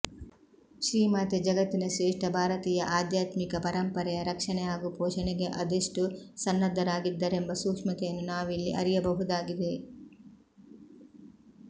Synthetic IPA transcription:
ʃɾiːmaːt̪ed͡ʒɐɡɐt̪ːinɐʃɾeːʂʈɐbʱaːɾɐt̪iːjɐʔaːd̪jaːt̪mikɐpɐɾɐmpɐɾɛjɐɾɐkʂɐɳɛaːɡupɔːʃɐnɛɡeʔɐd̪eʂʈusɐnːɐd̪ʱːɐɾaːɡid̪ːɐɾe̞mbɐsuːkʂmɐt̪ɛjɐnːunaːʋilːiʔɐɾijɐbɐɦud̪aːɡid̪e

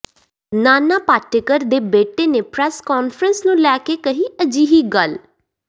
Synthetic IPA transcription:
naːnaːpaːʈɪkəɾd̪eːbeːʈeːneːpɾɛːskɔːnfʰɾənsnũːlɛːkeːkəɦĩːəd͡ʒiːɦiːɡəl

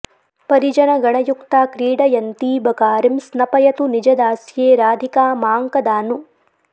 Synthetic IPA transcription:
pɐɾid͡ʒɐnɐɡɐɳɐjukt̪aːkɾiːɽɐjɐnt̪iːbɐkaːɾimsnɐpɐjɐt̪unid͡ʒɐd̪aːsjeːɾaːd̪ʱikaːmaːŋkɐd̪aːnu

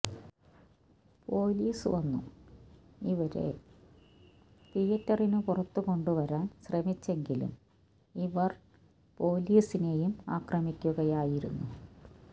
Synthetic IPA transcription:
po̞ːliːsɨʋɐnːṵ | iʋɐɾe̞̰ | t̪ijɐtːɐrinupurɐt̪ːuko̞ɳɖuʋɐɾaːnɕrɐmit͡ɕːe̞ŋɡilṵm | iʋɐr | po̞ːliːsine̞juma̰ːkrɐmikʲːuɣɐjaːjiɾunːu

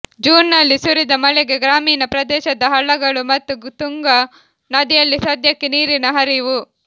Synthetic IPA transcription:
d͡ʒuːnːɐlːisuɾid̪ɐmɐlɛɡe̞ɡɾaːmiːnɐpɾɐd̪ɛːʃɐd̪ɐɦɐɭːɐɡɐɭumɐt̪ːut̪uŋɡɐ | nɐd̪ijɐlːisɐd̪ʱjɐkːeniːɾinɐɦɐɾiʋu

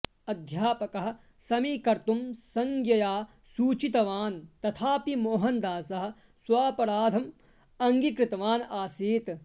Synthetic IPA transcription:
ɐd̪ʱjaːpɐkɐɦɐ̆ | sɐmikɐɾt̪umsɐŋɡjɐjaː | suːt͡ʃit̪ɐʋaːnt̪ɐt̪ʰaːpimoːɦɐnd̪aːsɐɦɐ̆ | swaːpɐɾaːd̪ʱɐm | ɐŋɡikɾɪt̪ɐʋaːnaːsiːt̪

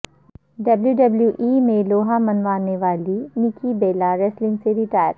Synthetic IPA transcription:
ɖɐbljuɖɐbljuʔiːmẽloːɦãmɐnʋaːneʋaːlinɪkibeːlaɾɛːslɪ̃ŋɡseɾɪʈaːjəɾ

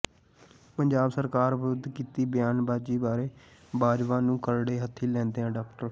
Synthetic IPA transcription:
pəɲd͡ʒaːbsəɾkaːɾʋəɾʊd̪kiːt̪iːbɪjaːnbaːd͡ʒiːbaːɾeːbaːd͡ʒʋãːnũːkəɾɽeːɦət̪ʰːiːlɛ̃ːnd̪eːãːɖaːkʈəɾ

